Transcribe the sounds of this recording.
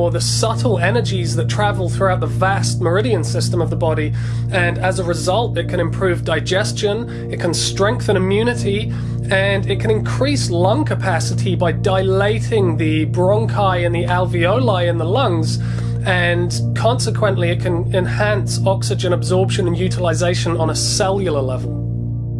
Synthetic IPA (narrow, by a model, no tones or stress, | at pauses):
əðəsʌɾl̩ˠɛnə˞d͡ʒizðətʰɹ̥ævəlˠθɹʉaʊt̪̚ðəvæst̚mə˞ɪɾiɨ̃nsɪstə̃mʌvðəbɑɾi | ɨ̃nəzəɹɨzʌlˠtɨt̚kʰɨ̃ñɨ̃mpʰɹ̥ʉvdaɪd͡ʒɛst͡ʃə̃n | ɨt̚kʰə̃nstɹ̥ɛ̃ŋk̚θə̃ñɨ̃mjʉnɨɾi | ɨ̃nɪt̚kʰɨ̃ñɨ̃nkʰɹ̥islʌ̃ŋkʰəpʰæsɨɾʰibaɪdaɪleɪɾɪ̃ŋði | bɹɑ̃ŋkʰaɪɨ̃nðiʔælˠviəʊlaɪɨ̃nðəlʌ̃ŋz | ɨ̃n | kʰɑ̃nsɨkʰw̥ə̃nʔliɨt̚kʰɨ̃n | ɨ̃nhæ̃nsɒksɨd͡ʒɨ̃nəbzɔɹpʃə̃nə̃njʉɾəlˠɪzeɪʃə̃nə̃nəsɛlˠjəl̩ˠəlɛvəlˠ